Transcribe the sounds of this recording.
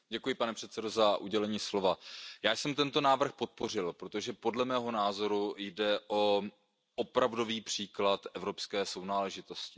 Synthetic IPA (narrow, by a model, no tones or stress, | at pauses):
ɟɛkujɪpanɛpr̝̥ɛt̪sɛdo̞zaʔuɟɛlɛɲiːslo̞vajaːjsɛmt̪ɛnt̪o̞naːvr̩xpo̞t̪̚po̞r̝ɪlpɾot̪o̞ʒɛpo̞dlɛmɛːɦo̞naːzo̞ɾujdɛʔo | ʔopɾavdo̞viːpr̥iːklat̪ɛvɾo̞pskɛːso̞wnaːlɛʒɪt̪o̞scɪ̥